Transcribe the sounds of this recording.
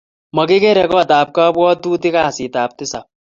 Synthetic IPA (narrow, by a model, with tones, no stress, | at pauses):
mɐɡe˦ke˦ɾɛko˦ɐt̪aː˨p̚kaː˦bɔː˦d̪uːt̪i˦kaː˨siːt̪aːp̚t̪ɪsa